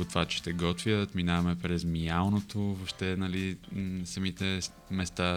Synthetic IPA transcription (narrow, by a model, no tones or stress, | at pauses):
ot̪vat͡ʃɛ̥ʃt̪ɛɡɔt̪vjət̪minavɐmɛpɾɛzmijalˠnot̪ovoʃt̪ɛnɐlisɐmit̪ɛ | mɛst̪a